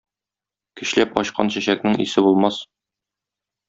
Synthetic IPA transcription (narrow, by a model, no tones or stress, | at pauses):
kɘ̆ɕlæpɒ̰ɕqɑ̰nɕæɕæk̚nɘŋḭsɘbulˠmɑs